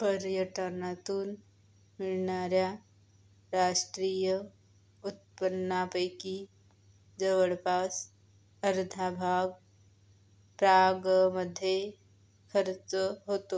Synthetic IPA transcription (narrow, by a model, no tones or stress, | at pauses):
pəɾjəʈənat̪un | mɪɾnaːɾja | ɾaːʃʈɾiːjə | ʊt̪̚pənːaːpəjki | d͡ʒəʋəɭpaːs | əɾd̪ʱabʱaːɡ̚ | pɾaːɡməd̪ʱːje | kʰəɾt͡ʃəɦoːt̪o